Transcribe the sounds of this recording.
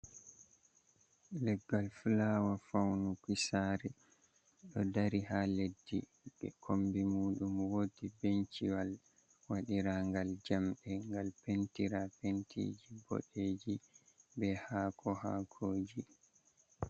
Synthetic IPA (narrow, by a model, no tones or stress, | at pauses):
lɛɡːalfulaːwafawnukisaːɾɛ | ɗɔdaɾihaledːi | ɓɛ̰kʰombimuːɗumwotibent͡ʃiwal | waɗiɾaŋɡald͡ʒamɗɛŋɡalpentiɾapentʰḭd͡ʒibo̰ɗeːd͡ʒibɛhaːkʰɔha̰kʰoːd͡ʒi